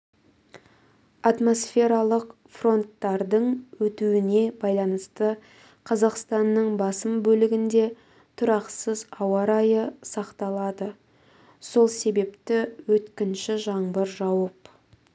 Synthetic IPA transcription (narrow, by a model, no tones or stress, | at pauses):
ɑt̪mo̞sfe̞ɾɑlˠəq | fro̞nt̪ːɑɾd̪əɴwɵt̪uwɪne̞bɑjlˠɑnəst̪ə | qʰɑzɑqst̪ɑnːəɴbɑsəmbɵlɪɡʲɪnd̪e̞ | t̪ʰʊɾɑqsəzɑwɑɾɑjəsɑqt̪ɑlˠɑd̪ə | so̞lˠse̞be̞pt̪ɪwɵt̪kʲɪnʃɪʒɑɴbəɾʒɑwəp